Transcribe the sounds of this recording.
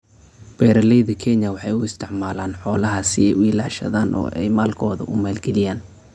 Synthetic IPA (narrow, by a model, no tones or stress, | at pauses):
b̥ɛːɾɐlɛjðɐkʰɛnɐwɑħɑjʊɪst̪ʰɪʕmaːlaːnħɔːlɐɦɐsɪɛjʊɪlaːʃɐ̰ðaːnʔɔ̰ːʔɛ̰jmaːlkʰɔːðɐ̰ʔʊmaːlɡɛlɪjaːn